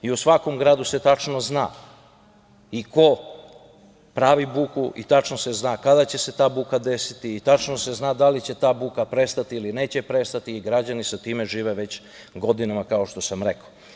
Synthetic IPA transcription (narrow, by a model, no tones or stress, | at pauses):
iusʋako̞mɡɾaːd̪use̞t̪at͡ʂnozna̰ː | iko̞ | pɾaːʋibuːkuʔḭt̪at͡ʃnose̞znaːkad̪at͡ɕe̞se̞t̪aːbuːkad̪e̞sit̪iːt̪at͡ʃnose̞znaːd̪alit͡ɕe̞t̪aːbuːkapɾe̞st̪at̪iiline̞ːt͡ɕe̞pɾe̞st̪at̪iːɡɾad͡ʑanisat̪iːme̞ʒiːʋeʋe̞t͡ɕ | ɡo̞d̪inamakaoʃt̪o̞samɾe̞ko